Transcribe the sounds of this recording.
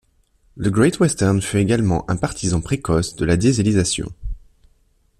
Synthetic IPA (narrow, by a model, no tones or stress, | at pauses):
ləɡʁɛt̪wɛst̪ɛʁnfyeɡalmɑ̰̃ʔɛ̃paʁt̪izɑ̃pχekɔsd̪əlad̪jezelizasjɔ̰̃